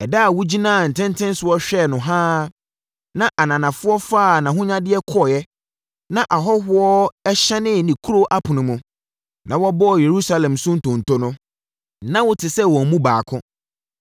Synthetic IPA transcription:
ɛ˨da˦˨wu˦d͡ʑi˦nãː˦˨n̩˨tʰɪ̃˦ntʰɪ̃˦n˦sʊ˨˦ɔ˦ɕᶣɛ˦˨nʊ̃˨ɦãː˦ | nã˨ʔa˨nã˨nã˨fʊ˦ɔ˦faː˦˨nã˨ɦʊ̃˦ɲã˦dɪ˦ɛ˦kʰɔ˦˨jɛ˦ | nã˦˨ʔa˨ɦɔ˦ɦʊ˦ɔ˦ɛ˦ɕɛ˦nɪ̃˦˨nĩ˨kʰu˦ɾo˦ʔa˦pʰʊ̃˨nʊ̃˨mũ˨ | nã˨wɔ˦bɔ˦˨je˨ɾu˦sa˦lɛ̃˨msʊ̃˦n̩˦tʰʊ̃˨n̩˨tʰo˦nʊ̃˦ | nã˦wʊ˦tʰɪ˨sɛ˦wɔ˨mũ˦baː˨kʰʊ̃˦

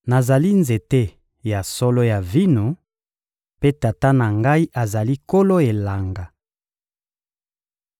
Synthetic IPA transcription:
na˨za˨li˦nze˨te˦ | ja˨sɔ˦lo˦ja˨vi˦no˨ | pe˦ta˨ta˦na˨ŋɡa˦i˦ʔa˨za˨li˦ko˦lo˦e˨la˨ŋɡa˨

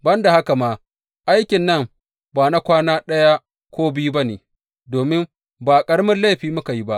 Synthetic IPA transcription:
bɐ˦nda˨ha˦ka˨maː˦ | ʔa˦jkʲɪ˨nːɐ˦˨m | baː˨na˦kʷaː˦naː˦ɗɐ˦ja˦ | kʷoː˦bi˦ba˦neː˨ | doː˨mɪ˦m | baː˨kʼɐ˦ɽmɪ˦nla˦jɸiː˨mʊ˦ka˨ji˦ba˦ʔ

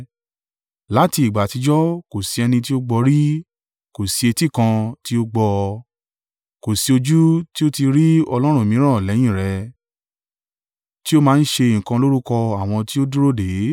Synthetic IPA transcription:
la˨˦ti˧˦i˨ɡ͡ba˨ti˨˧d͡ʒɔ˦ko˨si˨˧ɛ˧nĩ˧t̬i˦o˦ɡ͡bɔ˧ɾi˦ | ko˨si˧e˧ti˦˨kã˧ti˦o˦ɡ͡bɔ˧ | ko˨si˧o˧d͡ʒu˦ti˦o˦ti˧ɾi˦ɔ˧lɔ˦ɾ̃ũ˦˨mĩ˨˦ɾ̃ã˦˨lɛ˨˦j̃ĩ˦˨ɾɛ˨˧˦ | ti˦o˦mãː˦˧˦n̩˦ʃe˧i˨kã˧lo˦ɾu˦kɔ˧a˨w̃ɔ̃˧ti˦o˦du˦ɾo˦de˨˦

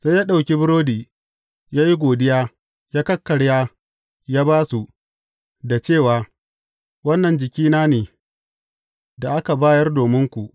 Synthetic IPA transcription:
sa˦jaː˦ɗa˨wkʲi˦bɪ˦ɾoː˦diː˨ | jaː˦ji˦ɡʷoː˨dɪ˦jaː˦ | jaː˦kɐ˦kːɐ˨ɽjaː˦ | jaː˦baː˦su˨ | da˨t͡ʃeː˦˨waː˨ | wɐ˦nːɐ˨nd͡ʒɪ˨kʲiː˦naː˦neː˨ | da˨ʔa˦ka˨baː˦jɐ˦rdoː˨mɪ˦ŋkʷu˨ʔ

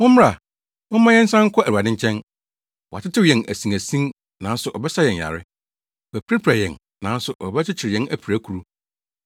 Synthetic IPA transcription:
mʊ̃˦mmɪ˦ɾa˨ | mʊ̃˦mã˦jɛ̃˦n̩˦sã˦ŋ̩˦kʰɔ˦æ˨a˨dɪ̃˦ɲ˦t͡ɕʰɛ̃˦n | wɔ˨a˨t͡ɕʰɪ˦tʰɪ˦wjɛ̃˨nʔæ̰˨sĩ˨ŋæ˨sĩ˦ | nã˨˦n̩˦sʊ˨ʔɔ˨bɛ˦sa˦jɛ̃˨ɲ˨a̰˨ɾɪ˦ | wæ˨pʰɾɪ˦pʰɾa˨jɛ̃˨n | nã˨˦n̩˦sʊ˨ʔɔ˨bɛ˦t͡ɕʰɪ˦t͡ɕʰɪ˨ɾɪ˨jɛ̃˦næ˨pʰi˨ɾæ˦kʰu˨ɾu˦

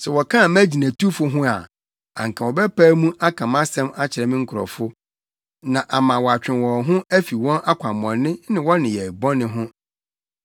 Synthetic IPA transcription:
sɛ˨wɔ˨kʰã˦˨mæ˦d͡ʑi˨næ̃˨tʰu˦fʊ˦ɦʊ̃˦a̰˨ | a̰˨ŋ̩˨kʰã˨wɔ˨bɛ˦pʰaː˦mũ˦ʔa˦kʰã˨mã˦sɛ̃˦ma˦t͡ɕʰɪ˨ɾɛ˨mɪ̃˦ŋ̩˦kʰʊ˨ɾɔ̰˨fʊ˦ | nã˨ʔa˨mã˨wɔ˨a˨t͡ɕᶣɪ̃˨nwɔ̃˨ɦʊ̃˦æ˦fi˨wɔ̃˦nʔa˦kʰʷa˨mɔ̃˨nːɪ̃˦nɪ̃˨wɔ̃˦nɪ̃˨jɛ˨bɔ̃˦nɪ̃˦ɦʊ̃˦

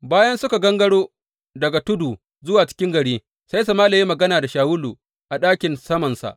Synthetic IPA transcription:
baː˦jɐ˦nsʊ˦ka˨ɡɐ˦ŋɡɐ˦ɽoː˦ | dɐ˨ɡa˨tʊ˦duː˨ | zʊ˦waː˨t͡ʃɪ̥˦kʲɪ˦ŋɡɐ˨ɽiː˦ | sa˦js̬a˨maː˦lɐ˨ji˦mɐ˨ɡɐ˦naː˨da˨ʃaː˨wʊ˦luː˨ | ʔa˨ɗaː˦kʲɪ˨nsɐ˦mɐ˨nsa̰˨ʔ

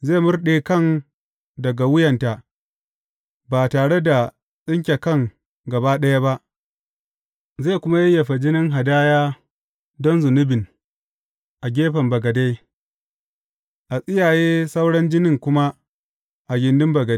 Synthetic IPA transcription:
zeː˦˨mʊ˦rɗeː˨kɐ˦˨n | dɐ˨ɡa˨wʊ˦jɐ˨nta˨ | ba˨taː˨ɽe˦da˨ | sʼɪ˦ŋk̬ʲe˨kɐ˦˨ŋ | ɡɐ˨ba˦ɗɐ˦ja˦ba˦ʔ | ze˦˨kʷʊ˦ma˦jɛ˦jɐ˨ɸa˨d͡ʒɪ˦nɪ˦ŋɦa˨daː˦jaː˦ | dɔ˦nzʊ˨nʊ˦bɪ˨n | ʔa˨ɡʲeː˦ɸɐ˨mbɐ˨ɡɐ˨da˦j | ʔa˨sʼɪ˦jaː˨jeː˦sa˦wɽɐ˦nd͡ʒɪ˦nɪ˦˨ŋkʷʊ˦ma˦ | ʔa˨ɡʲɪ˨ndʊ˦mbɐ˨ɡɐ˨

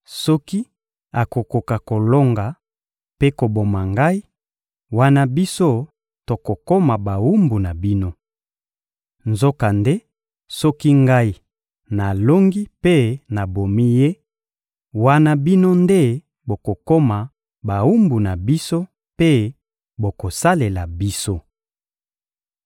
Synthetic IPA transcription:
sɔ˦ki˦ | a˨ko˨ko˨ka˨ko˨lo˦ŋɡa˨ | pe˦ko˨bo˨ma˨ŋɡa˦i˦ | wa˦na˦bi˦so˦ | to˨ko˨ko˦ma˨ba˨wu˦mbu˨na˨bi˦no˦ | nzo˦ka˨nde˦ | sɔ˦ki˦ŋɡa˦i˦ | na˨lo˦ŋɡi˦pe˦na˨bo˨mi˦je˦ | wa˦na˦bi˦no˦nde˦ | bo˨ko˨ko˦ma˨ | ba˨u˦mbu˨na˨bi˦so˦ | pe˦ | bo˨ko˨sa˦le˨la˨bi˦so˦

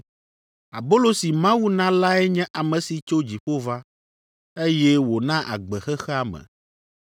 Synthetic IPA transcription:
a˨bo˦lo˦si˨mã˦wu˦nã˦la˦ɛ˦ɲɛ̃˦ʔa˨mɛ̃˨si˨t͡ʃo˦d͡ʑi˨ɸo˦va˦ | e˦jɛ˦wo˨nã˦ʔa̰˨ɡ͡bɛ˨xɛ˦xɛ˦a˦mɛ̰̃˨

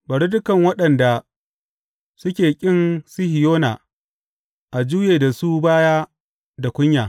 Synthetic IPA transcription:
bɐ˨ɾi˦dʊ˦kɐ˨ŋwɐ˦ɗɐ˨nda˨ | sʊ˦kʲeː˨kʲʼɪ˦nsɪ˦hɪ˨joː˦na˨ | ʔa˨d͡ʒuː˦jeː˨da˨suː˦baː˦jaː˦ | da˨kʷʊ˦ɲjaː˨

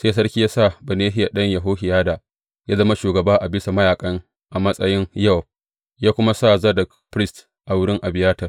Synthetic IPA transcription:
se˦s̬ɐ˦rkʲi˦jaː˦sa˦˨bɐ˨neː˦ɦɪ˦ja˨ɗɐ˦ɲjɐ˨ɦoː˦ɦɪ˨jaː˦da˨ | jaː˦zɐ˦ma˦ʃuː˨ɡɐ˨baː˦ʔa˨bɪ˦sa˨mɐ˦jaː˨kʼɐ˦ŋ | ʔa˨mɐ˦sʼɐ˦jɪ˦ŋjɐ˦w̚ | jaː˦kʷʊ˦ma˦sa˦˨zɐ˦dɐ˨kpɾɪ˦st | ʔa˨wʊ˦ɽɪ˦ŋʔa˨bɪ˨jaː˦tɐ˨r

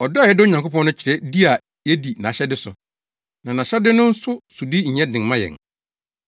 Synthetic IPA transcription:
ɔ˨dɔ˦˨jɛ˦dɪ˦ʊ˦ɲã˨ŋko˦pɔ̃˦nʊ̃˦t͡ɕʰɪ˨ɾɛ˦di˦a˨ | jɛ˦di˨nã˨ɕɛ˦dɪ˦sʊ˨ | nã˨nã˨ɕɛ˦dɪ˦nʊ̃˦n̩˦sʊ˦su˨di˦ɲ̩˨ɲɛ̃˦dɪ̃˨ŋmã˦jɛ̰˨ŋ

